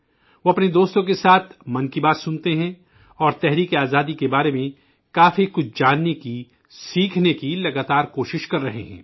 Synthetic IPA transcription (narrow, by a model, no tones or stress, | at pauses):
ʋoːɐpned̪oːst̪õk̬esaːt̪ʰmɐ̃nkibaːt̪sʊnt̪eɦɛ̃ | ɔːɾt̪ɛɦɾiːkeaːzaːd̪ikebaːɾemẽ | kaːfikʊt͡ʃʰd͡ʒaːnːeki | siːkʰnekilɐɡaːt̪aːɾkoːʃɪʃkɐɾːɐɦḛɦɛ̰̃ː